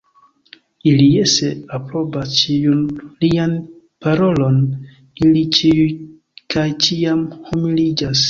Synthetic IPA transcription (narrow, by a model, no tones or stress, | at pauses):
ilijeseapɾo̞bast͡ʃiunlian | paɾo̞lo̞n | ilit͡ʃiuj | kajt͡ʃiamhumilid͡ʒas